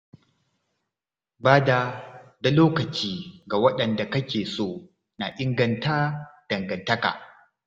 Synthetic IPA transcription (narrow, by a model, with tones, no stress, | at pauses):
baː˦da˨da˨loː˦kɐ˨t͡ʃiː˦ɡa˨wɐ˦ɗɐ˨nda˨kɐ˦kʲeː˨soː˦˨ | na˨ʔɪ˦ŋɡɐ˨nta˦d̥ɐ˨ŋɡɐ˨ntɐ˦ka̰˨